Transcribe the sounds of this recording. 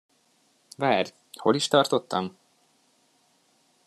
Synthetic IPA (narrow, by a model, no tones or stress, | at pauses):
vaːr | ho̞liʃt̪ɒrt̪o̞t̪ːɒm